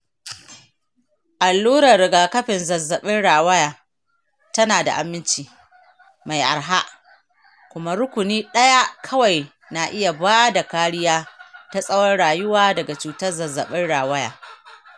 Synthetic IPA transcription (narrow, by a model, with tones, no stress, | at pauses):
ʔa˨lːuː˦ɾɐ˨rɽɪ˨ɡaː˨kɐ˦ɸɪ˨nzɐ˨zːɐ˨ɓɪ˦nɽaː˨wɐ˦jaː˨ | tɐ˦naː˨da̰˨ʔa˨mːɪ˦nt͡ʃiː˨ | ma˨jʔa̰˨rɦa˦ʔ | kʷʊ˦ma˦ɾʊ˦kʷʊ˨niː˦ɗɐ˦ja˦kʰɐ˦wa˨j | na˨ʔɪ˦ja˨baː˦da˨kaː˦ɽɪ˦jaː˦ta˦sʼɐ˦wɐ˦rɽaː˨jʊ˦waː˦dɐ˨ɡa˨t͡ʃuː˨tɐ˦rzɐ˨zːɐ˨ɓɪ˦nɽaː˨wɐ˦ja̰ː˨